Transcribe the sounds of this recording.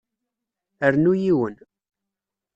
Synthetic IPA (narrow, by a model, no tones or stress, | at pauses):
əɾnujiwən